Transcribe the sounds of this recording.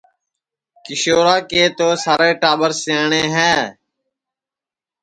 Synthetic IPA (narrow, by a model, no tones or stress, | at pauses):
kɪʃoːɾaːkeːt̪oːsaːɾeːʈaːɓəɾseːɳeːɦɛː